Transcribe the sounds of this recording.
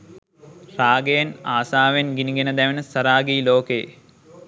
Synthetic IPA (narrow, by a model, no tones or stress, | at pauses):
raːɡejɐnaːsaːʋenɡiniɡenɐd̪ɛʋenəsɐɾaːɡiːloːkeː